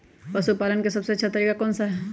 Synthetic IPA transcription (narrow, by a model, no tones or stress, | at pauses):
pɐsupaːlənkesɐbseɐtːʃʰat̪ɐɾiːkakɔːnsaɦɛ